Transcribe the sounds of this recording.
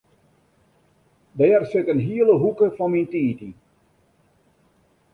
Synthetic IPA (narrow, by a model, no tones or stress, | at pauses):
dɛːərsɪkənɦiələɦukəfɔnmintiːti